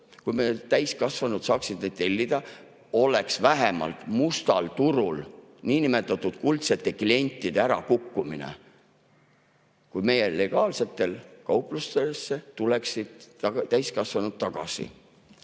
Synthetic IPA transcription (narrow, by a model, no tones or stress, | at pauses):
kujmet̪æjskɑsvɑnud̪̥sɑːksid̪ned̪̥̚t̪ːe̞lʲːid̪̥ɑ | o̞le̞ksvæɦemɑ̰lt̪must̪ɑlt̪uɾul | niːnime̞t̪ːˑɑt̪ːˑud̪̥̚kult̪se̞t̪ːˑe̞klie̞nʲt̪ˑːid̪̥eæɾɑ̰kukːuminḛ | kujme̞je̞le̞ɡ̥ɑːlse̞t̪ːˑe̞lkɑwpˑlust̪esːet̪ule̞ksid̪̥̚t̪æjskɑsvɑnud̪̥̚t̪ɑɡ̥ɑ̰sḭ